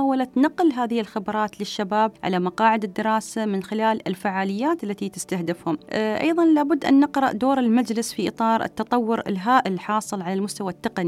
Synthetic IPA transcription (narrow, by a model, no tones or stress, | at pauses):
awːalat̪nɑqːlɦaːðɪhɪlxɪbɾˤɑːt̪lɪʃːabaːb̚ʕa̰lamɑqɑːʕɪd̪ɪd̪ːɪɾˤɑːsamɪnxɪlaːlɪlfaʕaːlɪjːaːt̪ʔalːat̪it̪ɪst̪ahd̪ɪfhʊmʔʔɑ̰jðˤɑnlaːbʊd̪ːʔa̰nːɪqɾɑʔd̪oːɾɪlmad͡ʒlɪsfiʔɨ̰t̪ˤɑːɾˤʔɪ̰t̪ːɑt̪ˤɑwːʊɾɪ̰lɦaːʔɪlħɑːsˤɨlʕalalmʊst̪awat̪ːɪqani